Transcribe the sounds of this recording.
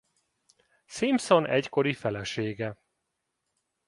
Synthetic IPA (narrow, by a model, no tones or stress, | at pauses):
simso̞nʔɛcko̞ɾifɛlɛʃeːɡɛ